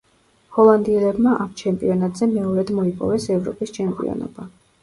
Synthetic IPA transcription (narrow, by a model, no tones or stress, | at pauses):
hɔlˠand̪iɛlɛbmaʔamt͡ʃʰɛmpʼiɔnat̪ʼzɛmɛɔɾɛd̪mɔipʼɔ̰vɛsɛvɾɔpʼist͡ʃʰɛmpʼḭɔ̰nɔ̰b̥a